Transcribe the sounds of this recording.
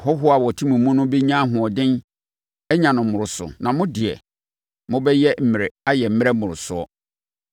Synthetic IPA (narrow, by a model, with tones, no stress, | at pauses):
hɔ˦ɦʊ˦a˨wɔ˨tʰĩ˦mũ˨mũ˦nʊ̃˦bi˦ɲã˦ɦʊ̃˨ɔ˨dɪ̃˦n | ɛ˦ɲã˨nʊ̃˨m̩˨mʊ̃˨ɾʊ˨sʊ̰˨nã˨mʊ̃˦dɪ˨ɛ̰˨ | mʊ̃˦bɛ˦jɛ˦m̩˨mɪ̃˨ɾɪ˨a˦jɛ˨m̩˦mɪ˦ɾɛ˦mʊ̃˨ɾʊ˨sʊ˦ɔ̰˦